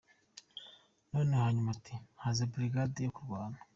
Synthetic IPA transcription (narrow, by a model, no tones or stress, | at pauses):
no̞ːnehaːɲumatʰihazebɾiɡadejokuɾɡaːnḁ